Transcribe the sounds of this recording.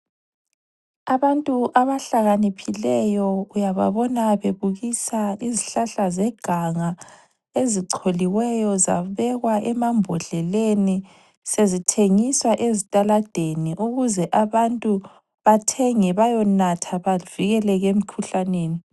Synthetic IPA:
aβantʼuʔaβaɬaɣanipʰilɛjɔujaβa̰βɔnaβeβuɣisaiziɬaɬazɛɡ̥ʱaŋa | eziǀʰoliwɛjɔza̰βɛɣwaʔɛmambʱɔɮɛleni | sezitʰeŋiswaʔezitʼalad̥ʱeniʔuɣuzɛʔaβantʼu | βatʰɛŋɛβajɔnatʰaβaviɣɛlɛɣem̩kʰuɬaneːni

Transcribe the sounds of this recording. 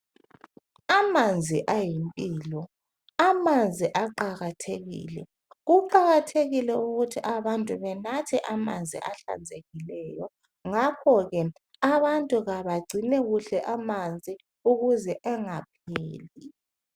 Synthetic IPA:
amand͡zʱiʔajimpʼiːlɔ | amand͡zʱiʔaǃaɣatʰeɣḭːlɛ̰ | ɣuǃaɣatʰeɣilɛuɣutʰiʔaβantʼuβɛnatʰɛʔamand͡zʱḭʔaɬa̰nd͡zʱeɣilɛjɔ | ŋakʰɔɣɛ | aβantʼuɣaβaɡ͡ǀʱinɛɣuɬɛʔamand͡zʱi | uɣuzɛʔɛŋap̚ʰeːli

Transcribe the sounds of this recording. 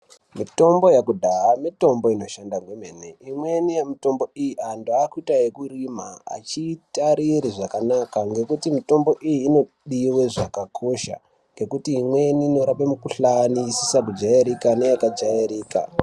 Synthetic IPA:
mito̞mbo̞jakudʱaamito̞mbo̞ino̞ʃandaŋɡwemeneimwenijemito̞mbo̞ijiʔandoakuitajekurimaa̰t͡ʃitaɾiɾiʐakanakaŋɡe̞kutimito̞mbo̞ʔijiːno̞ | ɗiwe̞ʐakakʰo̞ʃa̰ | ŋɡe̞kutiːmwe̞niːno̞ɾapemukuɬanisisak̬ud͡ʒaeɾikane̞jakad͡ʒaeɾiːka̰

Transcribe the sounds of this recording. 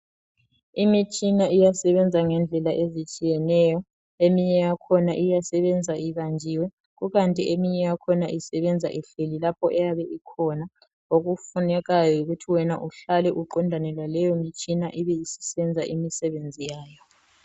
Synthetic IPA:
imit͡ʃʼinaijasɛβɛnd͡zʱaŋɛnd͡ɮʱɛlaʔezit͡ʃʼijɛnɛjɔ | emiɲɛjakʰɔnaʔijasɛβɛnd͡zʱaiβand͡ʒʱiwɛ | ɣuɣantʼiʔemiɲɛjakʰɔnaʔisɛβɛnd͡zʱa̰ʔiɬelilapʰɔʔɛjaβɛʔikʰɔna | oɣufunɛɣajɔjoɣutʰiwɛna̰ʔuɬalɛʔuǃɔndʱanɛlwalɛjomit͡ʃʼinaʔiβɛjisi̥sɛnd͡zʱaʔimisɛβend͡zʱijaːjɔ

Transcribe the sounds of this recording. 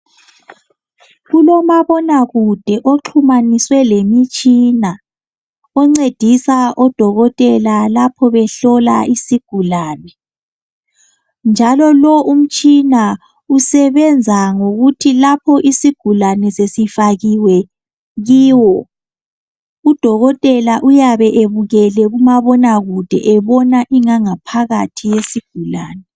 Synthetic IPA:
ɣulɔmaβɔnaɣud̥ʱɛʔoǁʰumaniswɛlemit͡ʃʼina | ɔŋ͡ǀed̥ʱisaʔɔd̥ʱɔɣɔtʼɛlalapʰɔβɛɬɔla̰ʔisiɡ̥ʱulaːnɛ | nd͡ʒʱalɔlɔʔum̩t͡ʃʼina | usɛβɛnd͡zʱaŋoɣutʰilapʰɔʔisiɡ̥ʱulanɛsesifaɣiwɛ | ɣiːwɔ | ud̥ʱɔɣɔtʼɛlaʔujaβɛʔeβuɣɛlɛɣumaβɔnaɣud̥ʱɛ̰ʔɛβɔnaʔiŋaŋapʰaɣatʰijesiɡ̥ʱula̰ːnɛ

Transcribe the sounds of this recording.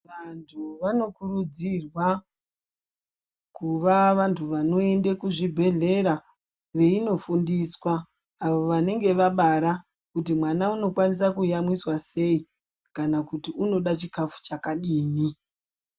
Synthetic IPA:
ʋantʰuʋano̞kuɾud͡zirwa | kuʋaʋantʰuʋano̞e̞ndekuʐibʱe̞ɮe̞ɾa | ʋe̞ino̞fundiswaː | ʋo̞ʋane̞ŋɡe̞ʋaɓaɾa | kutimwanauno̞kwanisakujamwiswase̞i | kanakutiuno̞ɗat͡ʃikafu̥t͡ʃakaɗiːni

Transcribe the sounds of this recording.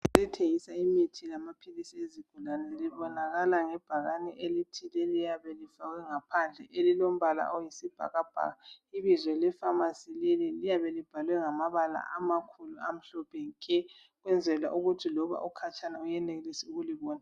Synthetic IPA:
elitʰeŋisaimitʰilamapʰilisieziɡ̥ʱulanɛliβɔnaɣalaŋɛb̥ʱaɣanɛʔelitʰilelijaβɛlifaɣɛŋapʰand͡ɮʱɛ̰ʔelilom̩βala̰ʔɔjisib̥ʱa̰ɣab̥ʱa̰ɣaiβizwɛlɛfamasilelilijaβɛlib̥ʱalwɛŋamaβala̰ʔamakʰuluam̩ɬɔpʰɛŋkʼɛ | ɣwɛnd͡zʱɛla̰ʔuɣutʰilɔβa̰ʔukʰat͡ʃʰʼanaujɛnɛɣelisiuɣuliβɔːna

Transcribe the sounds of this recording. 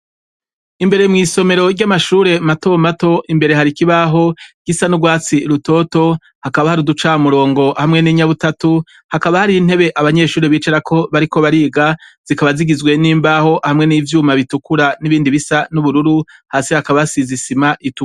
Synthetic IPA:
imbe̞ɾe̞mŋiːso̞me̞ɾo̞ɾɟamaʃuːɾe̞mato̞mato̞ʔimbe̞ɾe̞ɦaɾikiβaɦo̞ɡ̥isanuɡwaːt͡siɾuto̞ːto̞ | hakaβahaɾudut͡ʃaːmuɾo̞ːŋɡo̞hamŋe̞niːɲaβutatu | hakaβahaɾiːn̥he̞βe̞ʔaβaɲe̞ːʃuːɾeβiːt͡ʃeɾakʰo̞βaɾiko̞βaɾiːɡaz̥ikaβaziɡizɡwe̞niːmbaːho̞hamŋe̞niːvjuːmaβitukuɾaniβiːndiβisanuβuɾuɾuhaːsihakaβasizisimaʔitu

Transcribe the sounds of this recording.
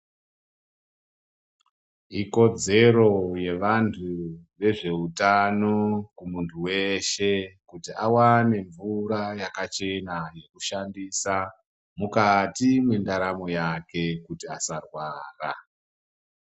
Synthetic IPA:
iko̞d͡ze̞ɾo̞je̞ʋantʰuʋe̞ʐe̞utano̞kumuntʰuwe̞ʃe̞kutiawane̞ɱvuɾajakat͡ʃe̞naje̞kuʃandiːsa | mukatimwendaɾamo̞jake̞kutiasarwaːra

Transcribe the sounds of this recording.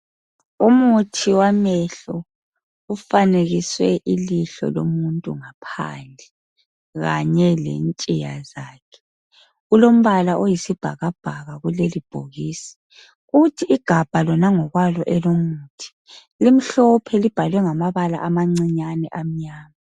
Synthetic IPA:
umutʰiwamɛɬɔ | ufaneɣiswɛʔiliɬɔ̰lo̰muntʼṵŋapʰa̰nd͡ɮʱɛ | ɣa̰ɲɛlḛnt͡ʃʼijazaːkʰɛ̥ | ulom̩βalaʔojisib̥ʱa̰ɣab̥ʱaɣaɣulelib̥ʱoɣiːsi̥ | uɣutʰiːɡ̥ʱab̥ʱalɔnaŋɔɣwalɔʔɛlomuːtʰi̥ | lim̩ɬɔpʰɛlib̥ʱalwɛŋamaβala̰ʔamaŋ͡ǀiɲanɛʔam̩ɲaːma

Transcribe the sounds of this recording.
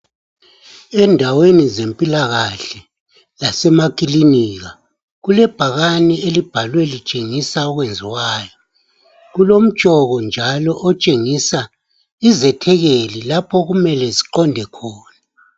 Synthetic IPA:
ɛndʱawenizempʼilaɣaɬɛ | lasɛmakʼiliniɣa | ɣulɛb̥ʱaɣanielib̥ʱalwɛlit͡ʃʼeŋisaɔɣwend͡zʱiwaːjɔ | ɣulom̩̥t͡ʃʼɔɣɔnd͡ʒʱalɔʔɔt͡ʃʼeŋisa | izɛtʰɛɣelilapʰɔɣumɛlɛziǃɔndʱɛkʰɔːna

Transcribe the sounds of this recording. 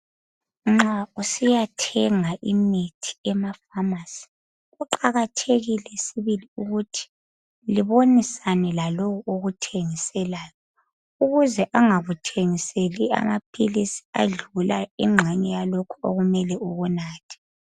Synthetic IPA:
ŋ͡ǁausijatʰɛŋaʔimitʰi̥ɛmafamasi̥ | ɣuǃaɣatʰeɣilɛsiβiliuɣutʰi̥ | liβonisanɛlalowɔoɣutʰeŋisɛlaːjɔ | uɣuzɛʔaŋaɣutʰeŋiselia̰map̚ʼʰilisi̥a̰ɮulaḭŋ͡ǁʱɛɲɛjalokʰuo̰ɣumɛlɛuɣunaːtʰi̥

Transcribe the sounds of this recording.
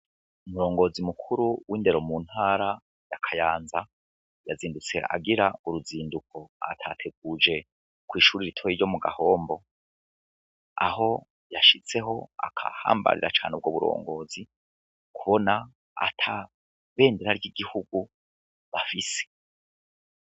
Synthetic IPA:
umuɾo̞ːŋɡo̞ːzimukʰuɾuwʔiːnde̞ɾo̞muːn̥haːɾa | jakʰajaːnza | jaziːndut͡se̞̰ʔa̰ɡiɾauɾuziːndukʰo̞a̰tʰatʰe̞ɡ̚uːd͡ʒe̞ | kwiːʃuːɾiɾitʰojiɾɟo̞muɡa̰ho̞ːmbo̞ | a̰ɦo̞ | jaʃit͡se̞ɦo̞a̰kʰa̰ha̰ːmba̰ɾḭɾat͡ʃaːneb̚ɡoːβuɾo̞̰ːŋɡo̞ːzi | kuβo̞na | a̰tʰa | βe̞ːndeɾaɾɟiɡihuɡ̥u | βafise̥

